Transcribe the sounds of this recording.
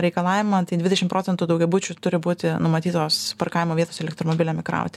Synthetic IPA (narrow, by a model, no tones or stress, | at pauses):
ɾʲɛɪkɐlˠɑːʋʲɪmɐt̪ɐɪd̪ʋʲɪd̪ʲɛʃʲɪmtpɾoːsʲɛnt̪uːd̪ɐʊɡʲɛbʊt͡ʃʲut̪ʊɾʲɪbuːt̪ʲɪnʊmɐt̪ʲiːt̪oːspɐɾrkɑːʋʲɪmoːʋʲiɛt̪oːsɛlʲɛkt̪ɾoːmobʲɪlʲoːmʲɪkɾɑ̰ʊt̪ʲ